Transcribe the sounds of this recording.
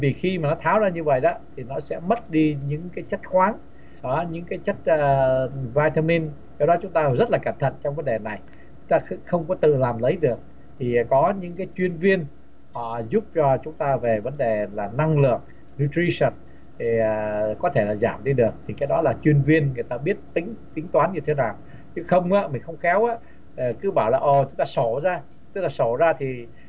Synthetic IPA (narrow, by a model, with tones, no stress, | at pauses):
vi˨˩xi˧maː˨˩nɔ˨˦t̪ʰaː˨˦wzaː˧ɲɨ˧və̰˧˨jɗɔ˨˦t̪ʰi˨˩nɔ˨˦sɛ̰˧˥mə˦˥t̚ɗi˧ɲɨ̰˧˥ŋkaː˨˦jt͡ɕə˦˥t̚xwaː˨˦n | ɔ˨˦ɲɨ̰˧˥ŋkaː˨˦jt͡ɕə˦˥t̚ːvaː˧jt̪a˧mi˧n | kɔ˧wɗɔ˨˦t͡ɕʊ˨˦ŋ͡mt̪aː˧zə˦˥t̚laː˨˩kə˧˩nt̪ʰə̰˧˨nt͡ɕɔ˧wŋ͡mvə˨˦nɗe˨˩na˨˩j | t͡ɕʊ˨˦ŋ͡mt̪aː˧xxə˧wŋ͡mkɔ˨˦t̪ɨ̰˧˨laː˨˩mlə˨˦jɗɨ˨˩ək̚ | t̪ʰi˨˩kɔ˨˦ɲɨ̰˧˥ŋkaː˨˦jt͡ɕwi˧ənvi˧ənː˨˩ | zʊ˦˥p̚t͡ɕɔ˧t͡ɕʊ˨˦ŋ͡mt̪aː˧ve˨˩və˨˦nɗe˨˩laː˨˩na˧ŋlɨ̰˨˩ək̚ | nu˧t̪ɾi˧sə˨˩n̚ | t̪ʰi˨˩˨kɔ˨˦t̪ʰe˧˩laː˨˩za̰ː˧˩mɗi˧ɗɨ˨˩ək̚t̪ʰi˨˩kaː˨˦˥jɗɔ˨˦laː˨˩t͡ɕwi˧ənvi˧ənŋɨ˨˩əjt̪aː˧ɓi˦˥ət̚t̪ï˨˦ŋ̟t̪ï˨˦ŋ̟t̪waː˨˦nɲɨ˧t̪ʰe˨˦naː˨˩w | t͡ɕɨ˧˦˥xə˧wŋ͡maː˨˦mï˨˩ŋ̟xə˧wŋ͡mxɛ˨˦wʔaː˨˦˥ | kɨ˨˦ɓaː˧˩wlaː˨˩ʔo˨˩t͡ɕʊ˨˦ŋ͡mt̪aː˧so˧˩zaː˧ | t̪ɨ˦˥k̚laː˨˩so˧˩zaː˧t̪ʰi˨˩